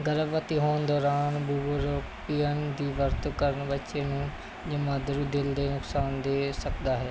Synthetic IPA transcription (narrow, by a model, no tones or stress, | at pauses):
ɡəɾəbʋət̪iːɦoːnd̪ɔːɾaːnbuːbɾoːpiːjənd̪iːʋəɾt̪kəɾənbətːʃẽːnũː | d͡ʒəmãːd̪ɾuːd̪ɪld̪eːnʊksaːnd̪eːsəkd̪aːɦɛː